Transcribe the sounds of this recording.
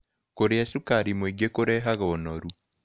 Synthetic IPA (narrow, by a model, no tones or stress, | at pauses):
koɾeasukaɾimoiɡekoɾɛɦaɣɔnɔɾu